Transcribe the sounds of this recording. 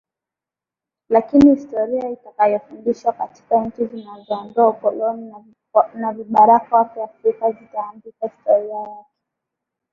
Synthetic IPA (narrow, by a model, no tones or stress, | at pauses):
lakinihistɔɾiaitakajɔfundiʃwakati̥kaɲ̩t͡ʃizinazɔːndɔaukɔlɔni | naviɓaɾakawakɛafɾikazitaːmbikahistɔɾiajakɛ̥